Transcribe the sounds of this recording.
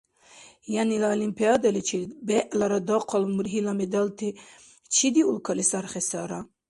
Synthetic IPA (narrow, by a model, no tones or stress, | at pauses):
janilaɔlimpʰijɑd̪ɐlit͡ʃʰilbɛʔlaɾad̪ɔqʰɔlmuɾɦilamɛd̪alt̪ʰi | t͡ʃʰid̪iulkʰɑlisaɾχɛsaɾa